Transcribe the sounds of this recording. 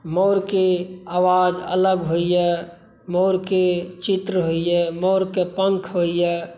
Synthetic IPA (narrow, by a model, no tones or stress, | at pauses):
moːɾkeaːʋaːd͡ʒə̰ləɡɦoijɛ | moːɾket͡ʃit̪ɾəɦoijɛmoːɾkepəŋkʰɦoijɛː